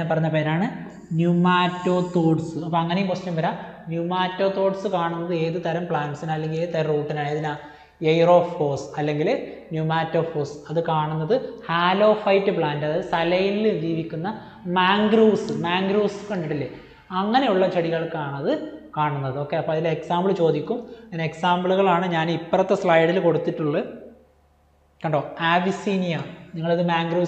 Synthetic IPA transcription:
epɐrɐɲːɐpeɾnaːɳɨ | njumaːtːo̞ːt̪oːɖsɨɐpːoɐŋːɐnejumpostɐmbɐɾa | njumaːtːo̞ːt̪o̞ːɖsɨkaːɳunːɐðɨe̞ːðɨt̪ɐɾɐmpɭaːnɖsinaːlːe̞ŋɡilet̪eruːʈːinaːɳɐðinaː | ejro̞ːfkoːsɐlːe̞ŋɡil | njumaːtːo̞ːfoːsɨ̥ɐðɨkaːɳunːɐðɨhaːlo̞ːfɐjtːɨpɭaːndɐðɨsɐlɐjild͡ʑiːʋikʲːunːɐ | maːŋɡruːsɨmaːŋɡɾuːskoɳɖiʈːilːe | ɐŋːɐne̞juɭːɐt͡ɕɐɽiɣɐɭkaːɳɐðɨkaːɳunːɐðɨo̞ːkːe̞ɐpːoːɐðileeksaːmbɐɭɨt͡ɕo̞ːd̪ikʲːumɐineksaːmbɐɭuɣɐɭaːɳɨɲaːnipːɐrɐt̪ːesɭɐjɽilko̞ɽut̪ːiʈːuɭːɐ | kɐɳɖo̞ːaːʋisiːnijɐniŋːɐɭɐðɨmaːŋɡruː

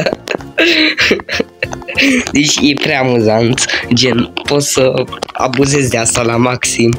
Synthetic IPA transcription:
d̪et͡ʃʲjepɾeaːmuzant̪d͡ʒe̞npo̞t̪səa̰buze̞zd̪east̪alamaksim

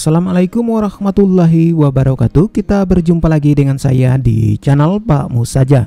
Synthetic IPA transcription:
salamalajkʊmwaɾɑhmat̪ulːaɦiwabaɾaka̰t̪ukit̪abərd͡ʒumpalaɡidəŋansa̰jadḭt͡ʃanalpa̰musad͡ʒa

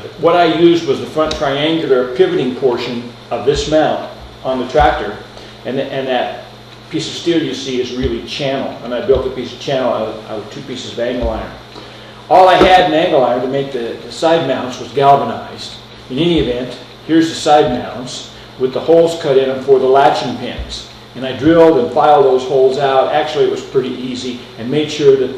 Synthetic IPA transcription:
wʌɾaɪjʉzd̚wʌzðɨfɹʌ̃ntʰɹ̥aɪæ̃ŋɡjl̩ˠə˞pʰɪvɨɾɪ̃ŋpʰɔɹʃɨ̃n | ʌvðɪsmãʊ̃ñ | n̩ðɨtʰɹ̥æk̚tə˞ | ɨ̃nɨ̃nðɨt̚ | pʰisʌv̥stilˠjɨsiɨzɹɪlˠit͡ʃʰæ̃nl̩ˠə̃naɪbɪlˠt̪̚ðɨt̚pisʌv̥t͡ʃʰæ̃nl̩ˠaɪa̰ɪwʌz̥tʰʉpisɨzʌvæ̃ŋɡl̩ˠaɪə̰̃˞n | ʔɔlˠaɪɨɾɨ̃næ̃ŋɡl̩ˠaɪə̃ntɨmeɪk̚ðɨðɨsaɪd̚mãʊ̃nswʌzɡælˠvəna̰ɪzd | ɨ̃nɛniɨvɛ̃nt | hiɹzðɨsaɪd̚mãʊ̃ʔns | wɨðəhoʊlˠz̥kʰʌɾɪ̃nɨ̃nfɔ˞ðəlæt͡ʃɪ̃ŋpʰɪ̰̃nz̥ | ɨ̃naɪdɹɪlˠdɨ̃nfaɪlˠd̪̚ðoʊz̥hoʊlˠzaʊɾæk̚t͡ʃul̩ˠiɨt̚wʌz̥pʰɹ̥ɪɾiʔizi | ɨ̃nmeɪd̥ʃʊɹðɨt̚

